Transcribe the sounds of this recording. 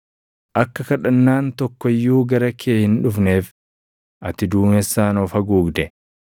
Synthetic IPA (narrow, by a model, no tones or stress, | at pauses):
ʔɐkːɐkɐᶑɐnːaːnt̪ɔkːɔjːuːɡɐɾɐkʰeːhɪnᶑʊfneːf | ʔɐt̪ɪd̪uːmɛsːaːnɔfɐɡuːɡd̪ɛ